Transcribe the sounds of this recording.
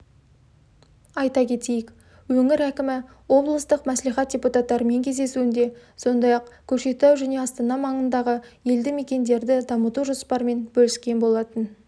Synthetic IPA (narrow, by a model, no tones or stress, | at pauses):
ɑjt̪ɑkʲʰe̞t̪e̞jɪk | wɵŋɪɾækʲɪmɪ | wo̞blˠəst̪əqmæslijχɑt̪̚d̥ʲeput̪at̪ːɑɾəme̞ŋkʲʰe̞zd̪e̞suɪnd̪e̞ | so̞nd̪ɑjɑqkʲʰɵɾʃe̞t̪æwʒæne̞ɑst̪ɑnɑmɑɴənd̪ɑʁəje̞ld̪ɪme̞kʲe̞nd̪e̞ɾd̪ɪd̪ɑmət̪uʒospɑɾme̞nbɵlɪskʲe̞nbo̞lˠɑt̪ən